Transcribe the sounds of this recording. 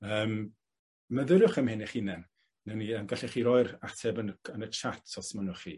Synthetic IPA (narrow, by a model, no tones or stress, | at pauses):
əːm | məðəɾʊχəmhɪnɛχinɛn | nɛniəmɡaɬiχiɾɔjɾatʰɛbənənət͡ʃʰatʰɔsmənʊχḭ